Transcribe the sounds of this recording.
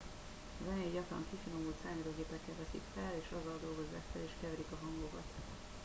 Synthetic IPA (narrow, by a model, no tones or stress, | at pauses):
zɛnɛiɟɒkrɒ̰ŋkifinomuːt̪saːmɛɾoːɡeːpɛkːɛvɛsḭkfɛleːʃɒzːɒld̪o̞lɡo̞zːa̰ːkfɛleːʃkɛvɛɾikɒɦɒŋɡokɒt̪